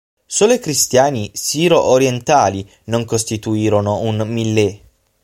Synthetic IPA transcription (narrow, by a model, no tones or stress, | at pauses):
soːlekɾist̪jaːnisiːɾoʔoɾjent̪aːli | noŋkost̪it̪uiːɾonounmilːe